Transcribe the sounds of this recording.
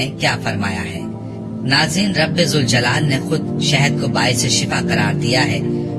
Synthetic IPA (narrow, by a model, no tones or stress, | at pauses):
ekjaːfɐɾma̰ːja̰ɦɛ̰ː | naːzɾiːnɾɐbezʊld͡ʒɐlaːlnexʊd̪̚ʃɛɦɛd̪̚kobaːɪseʃɪfaqɐɾaːɾd̪ijaɦɛː